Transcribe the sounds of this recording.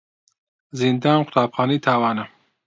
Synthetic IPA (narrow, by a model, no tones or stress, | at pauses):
zind̪aːnqʰʊ̥t̪ʰaːbxaːniːt̪ʰaːwaːnɐ